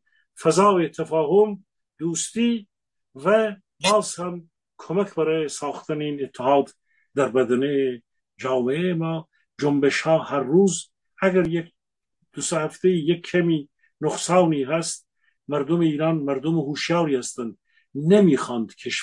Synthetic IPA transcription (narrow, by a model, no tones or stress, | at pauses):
fæzɑːvet̪ʰæfɑːɦom | d̪uːst̪iː | væ | bɑːzhæm | kʰomækʰbæɾɑːjesɑːxt̪ʰæneiːnet̪ʰːehɑːd̪ | d̪æɾbæd̪ænee | d͡ʒɑːmeemɑː | d͡ʒombeʃhɑːhæɾːuːz | æɡæɾjek̚ | d̪̥ʊsehæft̪eiːjekʰːæmiː | noχsɑːwniːɦæst̪̚ | mæɾd̪omeiːɾɑːnmæɾd̪omehuːʃjɑːɾiːhæst̪ænd̪ | nemiːxɑːnd̪kʰeʃ